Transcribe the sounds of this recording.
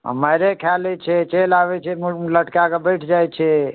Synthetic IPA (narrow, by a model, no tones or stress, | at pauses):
ə̰məjɾekʰalɛt͡ʃʰɛt͡ʃelabɛt͡ʃʰɛmləʈkakebəʈʰd͡ʒajt͡ʃʰɛ